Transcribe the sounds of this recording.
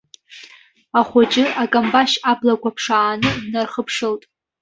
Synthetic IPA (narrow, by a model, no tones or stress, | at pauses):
aχʷat͡ʃʼɪakʼambaʃablakʷapʰʂaːnɨdnarχəpʰʂɨltʼ